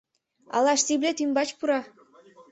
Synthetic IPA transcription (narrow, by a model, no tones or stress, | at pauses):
ɑ̰lˠɑʃsiblʲet̪ymbɑt͡ɕpuɾɑ